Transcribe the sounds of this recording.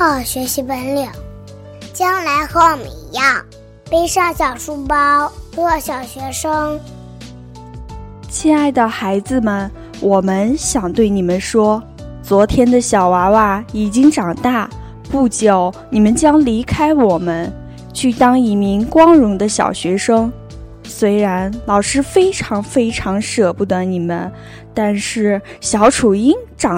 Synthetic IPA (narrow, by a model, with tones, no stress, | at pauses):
xɑ˥˩ʊɕɥɛ˧˥ɕi˧˥pə˧˥nljo˨˩˦ | t͡ɕjɑ˥ŋla˧˥ɪxɤ˧˥wɔ˨˩mə̰˨nḭ˧˥jɑ˥˩ŋ | pe˥ɪʂɑ˥˩ŋɕjɑ˨˩ʊʂu˥pɑ˥ʊxɔ˥˩ɕjɑ˨˩ʊɕɥɛ˧˥ʂɤ˥ŋ | t͡ɕʰi˥˧a˥˩ɪd̪ə˩xa˧˥ɪd͡zɹ̩˧mə˨n | wɔ˨˩mə˦˧nɕjɑ˨˩ŋt̪we˥˩ɪni˨˩mə˦nʂwɔ˥ | t͡swɔ˧˥t̪ʰjɛ˥nd̪ə˨ɕjɑ˨˩ʊwa˧˥wa˥˩i˨˩t͡ɕi˥ŋʈ͡ʂɑ˨˩ŋt̪a˥˩ | pu˥˩t͡ɕjɑ˨˩ʊni˨˩mə˦nt͡ɕjɑ˥ŋli˧˥kʰa˥ɪwɔ˨˩mə˦n | t͡ɕʰy˥˩t̪ɑ˥ŋi˧˥mi˧˥ŋkwɑ˥ŋɻʊ˧˥ŋd̪ə˧ɕjɑ̰˨˩ʊɕɥɛ˧˥ʂɤ˥ŋ | swe˥ɪɻa˧˥nlɑ˨˩ʊʂɻ̩˥fe˥ɪʈ͡ʂʰɑ˧˥ŋfe˥ɪʈ͡ʂʰɑ˧˥ŋʂɤ˨˩pu˥˩d̪ə˩ni˨˩mə̰˦n | t̪a˥˧nʂɻ̩˥˩ɕjɑ˨˧˥ʊʈ͡ʂʰu˨˩i˥nʈ͡ʂɑ˨˩